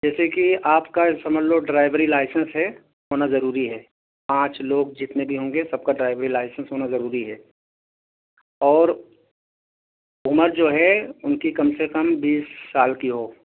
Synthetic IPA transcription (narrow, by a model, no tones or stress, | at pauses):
d͡ʒɛːsekiaːpkasɐməd͡ʒloɖɾaːɪʋəɾilaːɪsə̃nsɦɛ | ɦoːnazɐɾuːɾiɦɛː | pãːt͡ʃloːɡ̚d͡ʒɪt̪nebʱiɦõːŋ̆ɡesɐb̚kaɖɾaːɪʋɾilaːɪsə̃nsɦoːnazɐɾuːɾiɦɛː | ɔːɾ | ʊməɾd͡ʒoːɦɛʊnkikɐmsekɐmbiːsːaːlkiɦoː